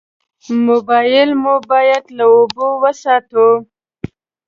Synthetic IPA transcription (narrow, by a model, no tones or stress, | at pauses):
mobɑjɪlmobɑjad̪laobowəsɑt̪o